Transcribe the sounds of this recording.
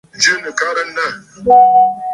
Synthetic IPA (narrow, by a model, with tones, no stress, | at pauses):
d͡ʒi˦ni˨ka˦ɾɐ˦nːa˦˨